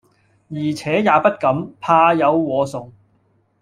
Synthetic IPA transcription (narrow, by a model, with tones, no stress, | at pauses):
jiː˨˩t͡sʰɛː˨˥jaː˨˧pɐ˥t̚kɐ˨˥mpʰaː˧jɐ˨˧wːɔː˨˧sʊ˨˩ŋ